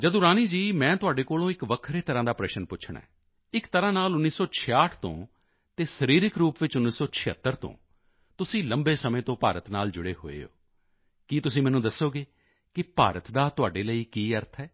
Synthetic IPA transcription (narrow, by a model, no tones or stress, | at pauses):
d͡ʒəd̪õːɾaːniːd͡ʒiːmɛ̃ːt̪ʊaːɖeːkoːlõːɪkʋəkʰɾeːt̪əɾãːd̪aːpɾɛːʃənpʊt͡ʃʰɳ̃ɛ̰ː | ɪkt̪əɾãːnaːlʊnːiːsɔːt͡ʃʰɪaːʈʰt̪õ̰ː | t̪eːsəɾiːɾɪkɾuːpʋɪt͡ʃʊnːiːsɔːt͡ʃʰɪət̪ːəɾt̪õ̰ː | t̪ʊsĩːləmbeːsəmẽːt̪õːpaːɾət̪naːld͡ʒʊɽeːɦo̰ːḛːo̰ː | kit̪ʊsĩːmɛːnũːd̪əsːoːɡeː | kɪpa̰ːɾət̪d̪aːt̪ʊaːɖeːləiːkiːəɾt̪ʰɛː